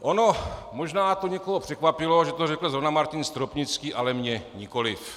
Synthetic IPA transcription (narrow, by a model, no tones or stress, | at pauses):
ʔono̞moʒnaːt̪oɲɛkoɦopr̥ɛkvapɪlo̞ʒɛt̪orɛkl̩zonamaɾcɪnst̪ɾopɲɪt͡skiːʔalɛmɲɛɲɪko̞lɪf